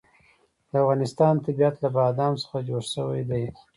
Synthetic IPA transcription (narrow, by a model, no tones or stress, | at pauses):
d̪̥əafɣɑnɪst̪ɑnt̪abiat̪labɑd̪ɑmsə̥xad͡ʒoɽʃəwajd̪aj